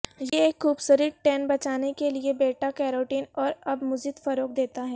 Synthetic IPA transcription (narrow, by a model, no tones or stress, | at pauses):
jeeːkxuːbsʊːɾɪʈɛ̃ːnbɐt͡ʃaːnekeliebeːʈakɛːɾoːʈiːnɔːɾɐbmʊzɪd̪fɐɾoːk̚d̪eːt̪aɦɛː